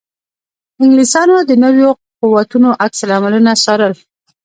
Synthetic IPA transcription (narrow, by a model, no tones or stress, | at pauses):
ɪŋɡlisɑnod̪ənəwjo | quwat̪unoʔaksalamalunasɑɾəl